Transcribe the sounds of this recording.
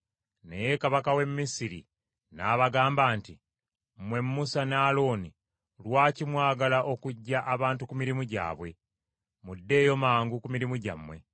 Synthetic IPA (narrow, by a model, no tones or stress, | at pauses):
ne̞̰jekaβakawe̞mːisiɾḭ | naːβaɡaːmbaːnti | mwe̞mːusanaːlo̞ːni | lwaːcimwaːɡalaʔo̞kuɟːaʔaβaːntukumiɾimuɟa̰ːβwe̞ | mudːe̞ːjo̞maːŋɡukumiɾimuɟa̰mːwe̞